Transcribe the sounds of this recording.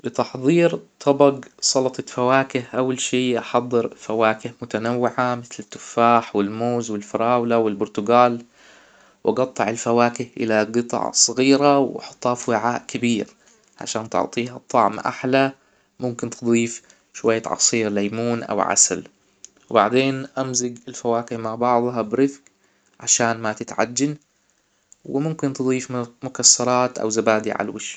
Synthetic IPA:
bɪt̪ɑħðˤiːɾt̪ʰɑbɑɡsˤɑlɑt̪ˤɑfawaːkɪhʔawːalʃiːʔɑħɑd̪ˤːɨɾfawaːkɪhmʊt̪anawːɪʕamɪθlɪt̪ːʊfːaːħwɪlmoːzwɪlfɑɾˤɑːwlawɪlbʊɾt̪ʊɡaːl | wʔɑɡɑt̪ˤːɑʕɪlfawaːkɪhʔɪ̰laɡɨt̪ˤɑ̰ʕsˤɑɣiːɾawħɑt̪ˤːɑːfwɪʕaːʔkabiːɾ | ʕa̰ʃaːnt̪ʊ̰ʕt̪ˤiːɦɑt̪ˤːɑʕmʔa̰ħla | mʊmkɪnt̪ɨd̪ˤiːf | ʃwajːaʕɑ̰sˤiːɾlajmuːnʔa̰wʕa̰sa̰l | wbaʕd̪eːnʔamzɪɡɪlfawaːkɪhmaʕbɑʕðˤɦɑbɾɪθk | ʕaʃaːnmat̪ɪt̪ʕa̰d͡ʒːan | wɪmʊmkɪnt̪ɨd̪ˤiːfmʊkasːɑɾˤɑːt̪ʔa̰wzabaːd̪ḭʕa̰lwɪʃ

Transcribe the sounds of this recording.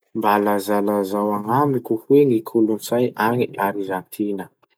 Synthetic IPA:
mbalazalazawaŋamikuhweŋikʰulunsajʔaŋiʔaɾizant̪ʰinə

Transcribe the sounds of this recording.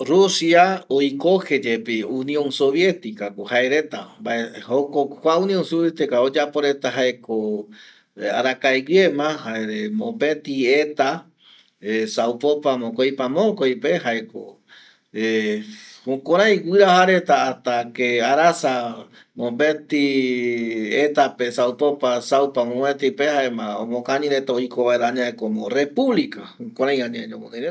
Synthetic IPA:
rusiaojkohed͡ʒepiunj̃õnsoβjet̪ikakohaeɾet̪ambaehokokʷaũnĩõnsoβet̪ikaod͡ʒapoɾet̪aɦaeko | a̰ɾakajwjemãhaeɾemõmbet̪iet̪a | esawpopamõkojpamõkojpeɦaeko̰ | e | hũkoɾ̃ãj̃ɡɨɾahaɾet̪aːt̪akeaɾasa | mõbet̪i | et̪apesawpopasawpamõmet̪ipehaemãõ̰mõkaɲĩɾet̪aojkoβaeɾaɲãekomõrepuβlikaũkõɾãj̃ãɲãeɲõmõkaɾe

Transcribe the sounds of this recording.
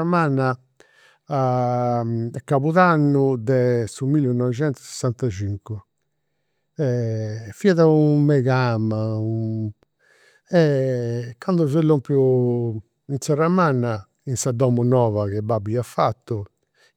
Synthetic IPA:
amanːa | a | ɛkːaβuðanːud̪ɛsumilɛnɔvɛd͡ʒɛnt̪u̥sɛ̥sːant̪ad͡ʒiŋku | ɛfiaðaumːɛɣamau | ɛ | kːand̪ɔzɛlːompju | insɛramanːa | insad̪ɔmunɔːvaɣɛbabiafat̪ːu

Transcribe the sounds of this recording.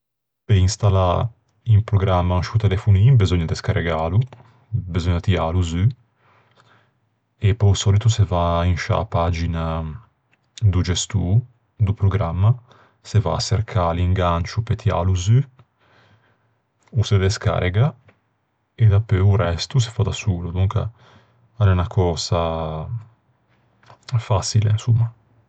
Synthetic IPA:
peinst̪ala | impɾoɡɾamːanʃut̪elefunibezoɲːad̪eskaɾeɡalu | bezoɲt̪ialuzy | epɔjusɔlit̪usevainʃa̰pad͡ʒina | d̪ud͡ʒɛst̪u | d̪upɾoɡɾamːa | seva̰ːseɾkʰaliŋɡant͡ʃupet̪ja̰luzy | used̪eska̰ɾeɡa | ed̪apːøuɾɛst̪us̬e̥fad̪asuːlud̪uŋka̰ | alɛunakʰɔːza | fasilḛnsumːa

